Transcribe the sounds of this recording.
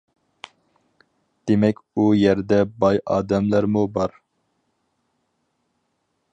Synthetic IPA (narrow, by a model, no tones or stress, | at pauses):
d̪̥emɛkʲujɛɾd̪ɛbɑjʔɑ̰ːd̪ɛmlæɾmubɑɾ